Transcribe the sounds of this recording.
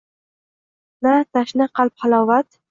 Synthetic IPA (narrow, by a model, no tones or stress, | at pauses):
nat̪ʰaʃnɪqɑlˠp̚χalˠɒːvat̪